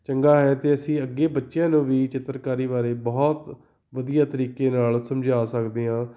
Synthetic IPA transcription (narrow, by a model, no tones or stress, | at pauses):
t͡ʃəŋɡaːɦɛːt̪eːəsĩːəɡːeːbətːʃjãːnũːʋiːt͡ʃɪt̪ːəɾkaːɾiːβaːɾeːbɔːt̪ | ʋəd̪ijaːt̪əɾiːkeːnaːlsəmd͡ʒaːsəkd̪eːɦãː